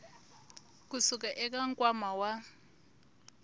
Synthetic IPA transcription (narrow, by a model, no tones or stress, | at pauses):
k̬usuk̬ʼaʔɛk̬ʼaŋkʼwamawa